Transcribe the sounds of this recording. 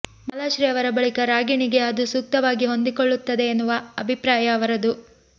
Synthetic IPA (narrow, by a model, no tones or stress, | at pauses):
mɐlaːʃɾiɐʋɐɾɐbɐɭikɐɾaːɡiɳiɡe̞ɐd̪usuk̚t̪ɐʋaːɡiɦo̞nd̪ikoɭːut̪ːɐd̪e̞ːnːuʋɐɐbʱipɾaːjɐːʋɐɾɐd̪u